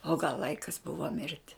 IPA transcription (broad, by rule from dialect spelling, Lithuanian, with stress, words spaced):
oː ɡɐlˠ ˈlˠɐɪkɐs ˈbʊʋoː ˈmʲɪrʲtʲɪ